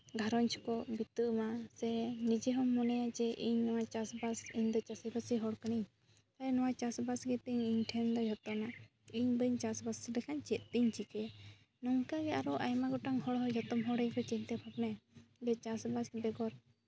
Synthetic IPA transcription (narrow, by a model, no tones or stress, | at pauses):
ɡʱaɾɔɲt͡ʃʰkɔbit̪əʔmasɛnid͡ʒiɦɔmːɔnɛjad͡ʒɛʔiɲnɔwat͡ʃasbasiɲd̪ɔt͡ʃasibasiɦɔɽkəniɲ | t̪aɛnɔwat͡ʃasbasɡɛt̪iɲiɲʈʰɛnd̪ɔd͡ʒʱɔt̪ɔma | iɲbəɲt͡ʃasbasd̪ɛkʰaɲt͡ʃɛt̪̚ˀt̪iɲt͡ʃikɛ | nɔŋkaɡɛaɾɔʔajmaɡɔʈaŋhɔɽɦɔd͡ʒʱɔt̪ɔmɦɔɽɛjkɔt͡ʃɛɲt̪ɛpʰap̚nɛbɛt͡ʃasbasbɛɡɔɾ